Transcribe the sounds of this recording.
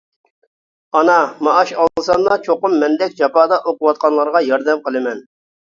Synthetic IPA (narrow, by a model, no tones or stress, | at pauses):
ɑnɑmɑʔːʃɑlɨsɑnd̪ɑt͡ʃʰoqʊmːɛnd̪ɛk̚ʲd͡ʒɑpɑːd̪ɑʔoqʊwɑt̪̚qʰɑnlˠɑɾʁɑjɑɾd̪ɛmqəlˠɨmɛn